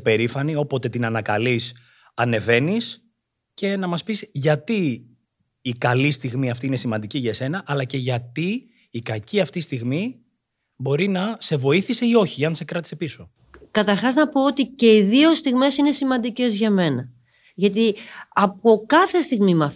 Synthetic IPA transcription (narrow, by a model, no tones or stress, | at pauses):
pe̞ɾifɐnio̞po̞t̪e̞t̪inɐnɐkɐlis | ɐne̞ve̞nis | ce̞nɐmɐspisʝɐt̪iː | kɐlist̪iɣmiɐft̪iːine̞simɐnd̪iciʝɐse̞nɐʔːlɐce̞ʝɐt̪iː | kɐciɐft̪ist̪iɣmi | bo̞ɾinɐse̞vo̞iθise̞io̞çiɐnse̞kɾɐt̪i̥se̞piso̞ | kɐt̪ɐɾxɐznɐpo̞ot̪ice̞iðio̞st̪iɣme̞sine̞simɐnd̪ice̞zʝɐme̞nɐ | ʝɐt̪̬iɐpokɐθe̞st̪iɣmimɐ